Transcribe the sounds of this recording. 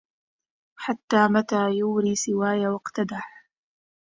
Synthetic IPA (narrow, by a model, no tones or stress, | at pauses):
ħat̪ːaːmat̪aːjʊːɾiːsɪwaːjawɑqt̪ad̪aħ